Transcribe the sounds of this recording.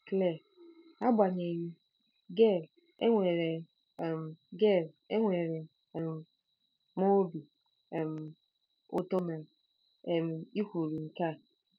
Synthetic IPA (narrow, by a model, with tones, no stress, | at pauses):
klɛ˦˨ | a˦bʷa˨ɲ˨ɛ̃˨ji˦ | ɡɛ˦˨l | ɛ˦ŋʷɛ˨ɾɛ˨ | mɡɛ˦˨l | ɛ˦ŋʷɛ˨ɾɛ˨ | ɛ˨m | mɔ̃˦bi˨ | ɛ˨m | ʊ̰˦tɔ˦mɛ̃˨ | ɛ˨m˨i˦hu˨ɾi˨ŋ̩˨ka˦˨